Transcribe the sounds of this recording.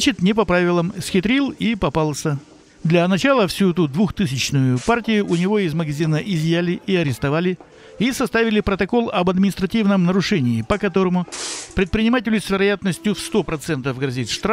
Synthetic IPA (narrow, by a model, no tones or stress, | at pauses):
t͡ɕɪt̪nʲɪp̬ɐpɾavʲɪlˠəmsʲxʲɪt̪ɾʲilˠipɐpalˠsʲə | d̪lʲɐnɐt͡ɕalˠəfsʲuɛt̪ʊd̪vuxt̪ɨsʲɪt͡ɕnʊjʊpartʲɪjʊʔʊnʲɪvo̞ɪzməɡɐzʲinəʔɪzʲjælʲɪʔiɐɾʲɪst̪ɐvalʲɪ | isɐst̪avʲɪlʲɪpɾət̪ɐko̞lˠɐbɐd̪mʲɪnʲɪst̪ɾɐtʲivnəmnəɾʊʂɛnʲɪːpəkɐt̪o̞ɾəmʊpɾʲɪt̪̚pɾʲɪnʲɪmat̬ʲɪlʲʊsʲvʲɪɾɐjat̪nəsʲtʲjʊfst̪o̞pɾɐt̪sɛnt̪əvɡɾɐzʲit̪ʂt̪ɾa